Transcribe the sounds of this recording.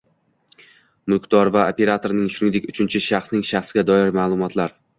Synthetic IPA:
mʊkd̪ɒɾvaopʰʲe̞ɾat̪ʰoɾnɪŋʃʊnɪŋd̪e̞kʲʊt͡ʃʰɪnt͡ʃʰɪʃaχsnɪŋʃaχsɪɡʲad̪ɒɪɾmaːlˠʊmɒt̪ʰlaɾ

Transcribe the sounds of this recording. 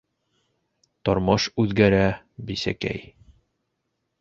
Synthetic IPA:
t̪ɒɾmɑʃʉðɡæɾæ | bisæ̰kæ̰j

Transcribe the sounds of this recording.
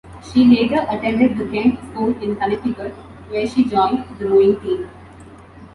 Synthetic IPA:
ʃiːleːʈəɾʔəʈɛ̃ɳɖɪɖ̚d̪əɡɛ̃ŋkskuːlɪ̃nkalɪfɪkəɾ | ʋeːɾʃiːd͡ʒɔ̃ɪ̃nɖd̪əɾoːɪ̃ŋʈĩːm

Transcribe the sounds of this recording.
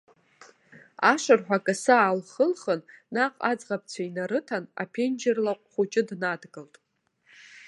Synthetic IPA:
aʂʷɨrħᶣʷakʼasaːlχəlχənnaqʼad͡zʁap̚ʰt͡sʷʰainaɾɨtʰana̰pʰend͡ʒɪrlaqʷʼχʷut͡ʃʼɪdnadɡɨltʼ

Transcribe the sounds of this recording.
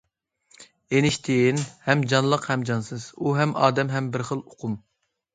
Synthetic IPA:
enɪʃt̪ʰɪnhɛmd͡ʒɑnlˠəqhɛmd͡ʒɑnsɨz̥uɦɛmʔɑːd̪ɛmɦɛmbɪɾχəlˠoqʰʊm

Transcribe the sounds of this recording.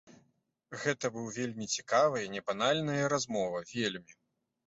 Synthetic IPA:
ɣɛt̪ɐbɨwvʲelʲmʲit͡sʲi̥kavɨjɐnʲɛbanalʲnɨjɐɾazmɔvɐvʲelʲmʲi

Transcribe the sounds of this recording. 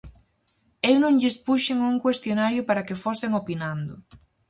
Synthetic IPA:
ewnõŋʎɪspuʃeŋuŋkwest̪jonaɾjʊpaɾɐkefosɪŋopinand̪ʊ

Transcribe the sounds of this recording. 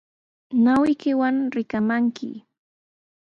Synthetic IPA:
nawɪkɪwaŋɾɪkamaŋkʰɪ̰

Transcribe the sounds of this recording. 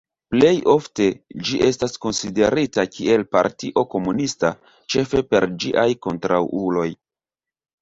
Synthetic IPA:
ple̞jo̞fte̞d͡ʒiʔe̞stasko̞nside̞ɾitakʰiʔe̞lpa̰ɾtiʔo̞ko̞munista | t͡ʃe̞fe̞pe̞ɾd͡ʒiʔajko̞ntɾawulo̞j

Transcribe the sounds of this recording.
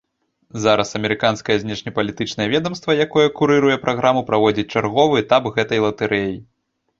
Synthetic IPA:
zaɾɐsɐmʲɛɾɨkanskɐjɐzʲnʲɛʂnʲɐpɐlʲit̪ɨt͡ʂnɐjɛvʲɛd̪ɐmst̪vɐjakɔjɐkuɾɨɾujɛpɾʔaɣɾamupɾavɔd͡zʲit͡sʲt͡ʂarɣɔvɨɛt̪apɣɛt̪ɐjlˠɐt̪ɛɾʔɛji

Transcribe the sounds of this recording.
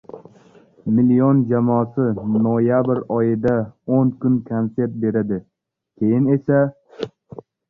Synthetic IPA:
mɪliond͡ʒamɒːsɪnojabɾɒjɪd̪aonkʰʊnkʰonse̞ɾt̪̚be̞ɾad̪ɪ | kʲʰe̞jɪne̞sa

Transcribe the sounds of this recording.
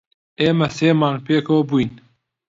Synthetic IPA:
eːmɐseːmaːnpʰeːkowbuin

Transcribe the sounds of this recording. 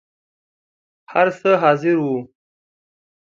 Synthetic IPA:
haɾsəɦɑːzɪɾwu

